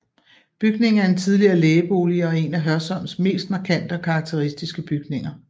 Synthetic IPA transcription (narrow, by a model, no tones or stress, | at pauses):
b̥yɡ̥ne̝ŋ̩æɐ̥e̝nt͡sʰið̞ˠliɐːleːb̥o̝̰ːliɒ̽e̝næɦɶɐsɒ̽m̰̥sme̝̰ːsd̥mɑ̈ːkʰæn̰d̥əɒ̽kʰɑ̈ːɡ̥̚t͡sʰe̝ʁisd̥isɡ̥əb̥yɡ̥ne̝ŋɐ